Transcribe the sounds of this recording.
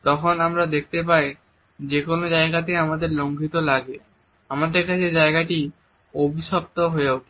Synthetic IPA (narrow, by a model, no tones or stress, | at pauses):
t̪ɔkʰonamɾad̪ek̚ʰt̪ep̬aj | d͡ʑekonod͡ʑaeɡat̪eamad̪eɾloŋɡʱit̪olaɡe | amad̪eɾkʰat͡ɕʰed͡ʑaeɡaʈi | obʱiʃɔp̚t̪oɦoowk